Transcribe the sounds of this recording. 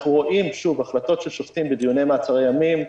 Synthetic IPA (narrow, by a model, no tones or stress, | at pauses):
uʁo̞ʔimʃuvaχlat̪o̞tʃelʃoft̪imbed̪ijunejmaːt͡saʁejamim